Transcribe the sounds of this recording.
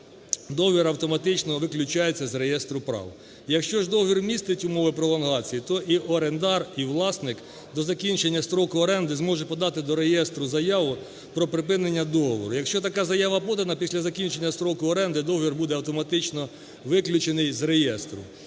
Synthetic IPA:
d̪ɔɦɔʋʲiɾɐwt̪ɔmɐt̪ɪt͡ʃnɔʋɪklʲʊt͡ʃɑjet͡sʲːɐzɾejɛst̪ɾʊpɾɑ̰w | jɐkʃt͡ʃɔʒd̪ɔɦɔʋʲirmʲist̪ɪtʲʊmɔʋɪpɾɔlˠɔnɦɑt͡sʲijit̪ɔʔiʔɔɾend̪ɑriwlˠɑsnɪk | d̪ɔzɐkʲint͡ʃenʲːɐst̪ɾɔkʊɔɾɛnd̪ɪzmɔʒɛpɔd̪ɑt̪ɪd̪ɔɾejɛst̪ɾʊzɐjɑʋʊ | pɾɔpɾɪpɪnenʲːɐd̪ɔɦɔʋɔ̰ɾʊjɐkʃt͡ʃɔt̪ɐkɑzɐjɑʋɐpɔd̪ɐnɐpʲisʲlʲɐzɐkʲinʲt͡ʃenʲːɐst̪ɾɔkʊɔɾɛnd̪ɪd̪ɔɦɔʋʲirbud̪ɛɐwt̪ɔmɐt̪ɪt͡ʃnɔ | ʋɪklʲʊt͡ʃenɪjzɾejɛst̪ɾʊ̰

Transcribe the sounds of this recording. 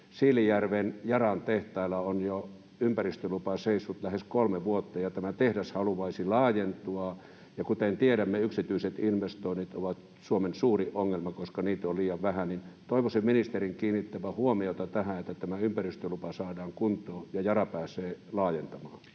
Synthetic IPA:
siːlːijærʋenjɑrɑnt̪eht̪ɑˑilɑonjo | ympærist̪ølupɑseˑisʋut̪læheskolmeʋuot̪ːɑjɑt̪æmæt̪ehdæshɑluʋɑisilɑːjent̪uɑ | jɑkut̪ent̪ieɾæmːeyksit̪yiset̪inʋest̪oˑinit̪oʋɑt̪ | suomensuːriʔoŋːelmɑkoskɑniːt̪oliːjɑʋʋæhænin | t̪oˑiʋosemminist̪eriŋkiːnːit̪ːæʋæhuomiot̪ɑt̪æhæet̪ːæt̪æmæympærist̪ølupɑsɑːdɑːŋkunt̪ˑoːjɑjɑrɑpæːsˑeːlɑːjent̪ɑmɑːn

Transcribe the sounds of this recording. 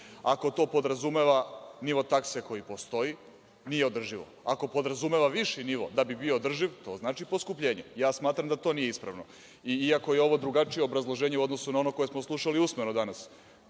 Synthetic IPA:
ako̞t̪o̞ːpo̞d̪ɾazumeʋaniʋo̞t̪akseko̞jipo̞st̪o̞i | nijeo̞d̪r̩ʒiʋo̞̰ako̞po̞d̪ɾazume̞ʋaʋiʃiniʋo̞̰d̪abibioːd̪r̩ʒiʋt̪o̞̰ːznaːt͡ʃiposkupʎe̞ːɲejaːsmaːt̪ɾamd̪at̪o̞ːnijeispɾa̰ʋno̞ | iiako̞je̞o̞ʋo̞d̪ɾuɡat͡ʃije̞obɾazlˠoʒeːɲeuo̞d̪no̞sunao̞no̞ko̞jesmoslˠuʃaliusmenod̪anas

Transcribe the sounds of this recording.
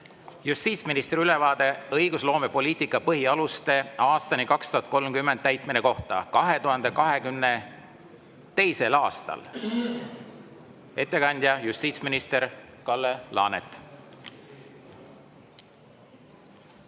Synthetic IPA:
just̪iːt̪sminist̪ɾylevɑːd̪e̞ɤjɡ̥uslo̞ːme̞po̞liːt̪ikːˑɑpɤɦiɑlust̪e̞ɑːst̪ɑnikɑkst̪uhɑt̪̚ko̞lmkymːend̪̥̚æjt̪ˑmineko̞ht̪ɑ̰kɑɦe̞t̪uɦɑnd̪e̞kɑɦe̞kymne̞ | t̪e̞jse̞lɑːst̪ɑ̰l | e̞t̪ːe̞kɑnʲd̪̥ʲjɑjust̪iːt̪sminist̪eɾkɑlːelɑ̰ːnḛt̪ːˑ

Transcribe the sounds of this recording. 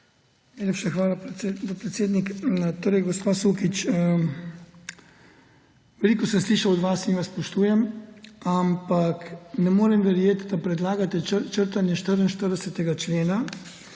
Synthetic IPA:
najlepʃaxʋaːlap̪pɾɛt̪sjeːd̪nikt̪oːɾɛjɡospaːsuːkit͡ʃə | ʋɛliːkɔsɛmsliːʃawɔd̪ʋasinʋaspɔʃt̪uːjɛmampaknɛmoːɾɛmʋɛɾjeːt̪d̪apɾɛd̪laːɡat̪ɛt͡ʃəɾt̪anjɛʃt̪əɾənʃt̪əɾd̪ɛsɛt̪ɛɡat͡ʃleːna

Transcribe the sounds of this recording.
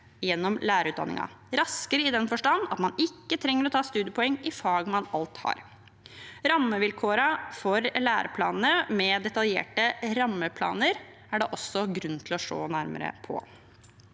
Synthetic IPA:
jɛnːɔmlæːɾəʉːt̪̚d̪ɑnːɪ̰ŋɑ̰ɾɑskəɾəɪd̪ɛnfɔʂʈɑnːɑ̰t̪mɑnɪkːət̪ʰɾɛŋːəɾɔt̪ʰɑːst̪ʉːd̪ɪəpʰʊɛŋːɪfɑːɡmɑnɑlt̪hɑ̰ɾ | ɾɑmːəʋɪlkʰoːɾɑfɔɾlæːɾəpʰlɑ̰ːnn̩əmɛd̪ɛt̪ɑljḛːʈəɾɑmːəpʰlɑ̰ːnəɾ | æɖɛʔɔsːɔɡɾʉnt̪ʰɪlɔʂo̰ːnæɾmə̰ɾə̰pʰɔ̰

